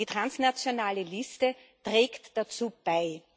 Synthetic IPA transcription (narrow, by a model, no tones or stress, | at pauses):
iːtʁ̥ansnat͡sjonaːləlɪstə | tʁ̥ɛːktd̥at͡suːb̥aɪ